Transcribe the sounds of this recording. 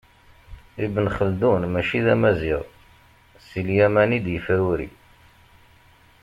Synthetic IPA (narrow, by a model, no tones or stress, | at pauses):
ibənχəld̪unmæʃiðæmæziʁ | siljæmænid̪jəfɾuɾḭ